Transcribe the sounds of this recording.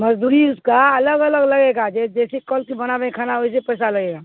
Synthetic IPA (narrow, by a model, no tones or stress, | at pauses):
məd͡ʒd̪uɾiʊskaɐləɡələɡləɡeɡad͡ʒɛd͡ʒɛsekɔlkibənabɛ̃kʰanaɦojsepəsaləɡeɡa